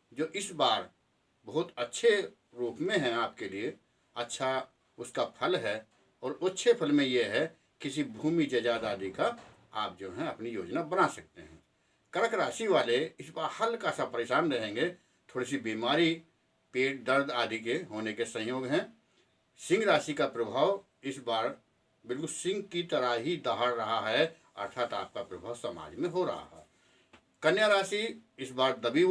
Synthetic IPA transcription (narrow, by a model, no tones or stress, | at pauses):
d͡ʒoːʔɪsbaːɾ | bɐɦʊt̪ətːʃʰe | ɾuːpmẽɦɛ̃aːp̚kelie | ɐtːʃʰa | ʊskapʰəlɦɛ | ɔːɾʊtːʃʰepʰəlmẽjeɦɛ | kɪs̬ibʱuːmid͡ʒɐd͡ʒaːd̪aːd̪ʱika | a̰ːp̚d͡ʒoːɦɛ̃ɐpnijoːd͡ʒnabənasɐk̚t̪eɦɛ̰̃ː | kəɾəkɾaːʃiʋaːleɪsbaːɾhɐlkasapəɾeːʃaːnɾɐɦẽːŋɡe | t̪ʰoːɽis̬ibiːmaːɾi | peːʈ̚d̪əɾd̪ʱaːd̪ʱik̬eɦoːnekesə̃ɦjoːɡɦɛ̃ | sɪ̃ŋɡɾaːsikapɾɐbʱaːʋ | ɪsbaːɾ | bɪlkʊlsɪ̃ŋɡkit̪əɾaɦid̪aɦaɽɾɐɦaɦɛ | ɐ̰ɾt̪ʰaːt̪a̰ːp̚kapɾɐbʱaːʋsɐma̰ːd͡ʒmẽɦoɾɐ̰ɦa̰ɦɛː | kɐnjaɾaːsiɪsbaːɾd̪əbiː